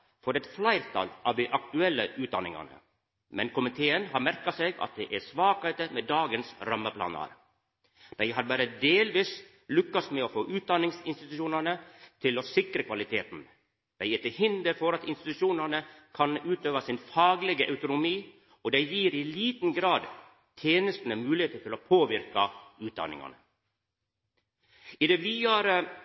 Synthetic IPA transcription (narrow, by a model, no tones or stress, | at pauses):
fɔɾɛt̪flæɪɾt̪ʰɑ̰lɑʋd̪ɪʔɑkt̪ʉɛlːəʔʉːt̪̚d̪ɑnɪ̰ŋɑ̰nə̰ | mɛnkʊmɪt̪ʰeːənhɑɾmæɾkɑseːɡɑ̰t̪̚d̪ɛʔæsʋɑːkhet̪əmeːd̪ɑːɡənsɾɑmːəpʰlɑ̰ːnə̰ɾ | d̪̥æɪɦɑɾbɑːɾəd̪eːlʋiːs | lʏkːɑst̪mɛɔfoːʔʉːt̪̚d̪ɑnːɪŋsɪnst̪ɪt̪ʉʃuːnəɳət̪ʰɪlɔsɪkɾəkʰʋɑlɪt̪ʰeːt̪n̩ | d̪̥æɪɛt̪əhɪnd̪əɾfɔɾɑt̪ɪnst̪ɪt̪ʉʃuːnəɳəkʰɑnʉːt̪øːʋɑsɪnfɑːɡlɛɡəʔɑʉt̪ʊnʊmiː | ɔd̪æɪjiːɾɪliːt̪n̩ɡɾɑːd̪ | t̪ʰjeːnəst̪nəmʉːlɪeːt̪əɾt̪ʰɪloːpʰoːʋɪɾkɑʉːt̪̚d̪ɑ̰nɪ̰ŋɑ̰nə̰ | ɪd̪ɛʋiːɑɾə